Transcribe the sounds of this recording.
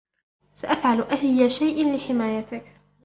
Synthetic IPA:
saʔafʕalʔahjːaʃajʔanlɪħɪmaːjat̪ɪk

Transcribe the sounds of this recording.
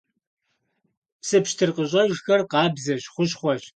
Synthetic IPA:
psɨpʃtʰɨrqəʑʼɐʒxɐrqɑːbzɐʑχʷʊɕχʷɔʒ

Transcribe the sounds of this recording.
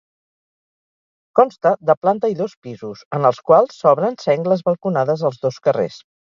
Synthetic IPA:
kɔnst̪əðəplant̪əiðospizusənəlˠskwalˠsːɔβɾənsɛŋɡləzβəlˠkunaðəzəlˠzðoskərḛs

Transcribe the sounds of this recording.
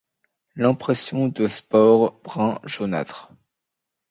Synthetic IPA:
lɛ̃pχɛsjɔ̃d̪əspɔʁbʁɛ̃ʒona̰t̪χ

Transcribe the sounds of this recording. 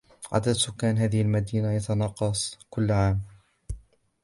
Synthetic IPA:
ʕa̰d̪ad̪sʊkːaːnɦaːðɪhalmad̪iːnajɑt̪ɑnɑqːɑsˤkʊlːʕaːm

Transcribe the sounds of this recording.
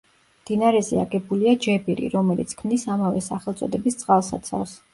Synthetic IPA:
md̪̥inaɾɛzɛaɡɛbuliad͡ʒɛbiɾḭɾɔmɛlit̪sʰkʰmnisamavɛsaχɛlˠt̪sʼɔ̰d̪ɛbist̪sʼqʼalˠsa̰t̪sʰa̰fs

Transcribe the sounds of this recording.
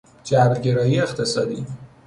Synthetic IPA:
d͡ʒæbɾɟe̞ɾɒːjiext̪ʰe̞sɒːd̪iː

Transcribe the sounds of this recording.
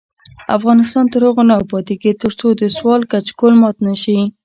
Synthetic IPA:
a̰fɣɑnɪst̪ɑnt̪əɾhʊɣonawpɑt̪iɡit̪əɾt͡sod̪əswɑlkat͡ʃkolmɑt̪naʃi

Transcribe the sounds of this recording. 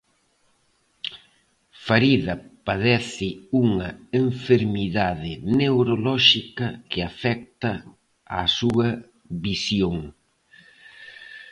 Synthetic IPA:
faɾiðɐpaðɛθɪuŋɐeɱfeɾmiðaðɪnewɾolɔʃikɐkɪafɛk̚t̪ɐ | asuɐ | βisjoŋ

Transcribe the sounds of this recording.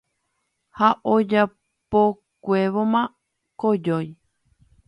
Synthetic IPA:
haʔod͡ʒa | po | kʷeʋomã | kod͡ʒoj

